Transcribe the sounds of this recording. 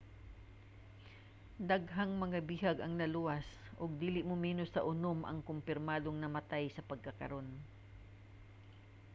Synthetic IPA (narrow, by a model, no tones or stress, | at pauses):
d̪ɐɡɦaŋmɐŋabiɦɐɡɐŋnɐluwɐs | ʔʊɡ̚d̪iːlɪʔmʊmiːnʊst̪ɐʔʊnomʔɐ̰ŋkʊmpɪɾmaːd̪oŋnɐmɐt̪ajsɐpɐɡ̚kɐkɐɾo̞n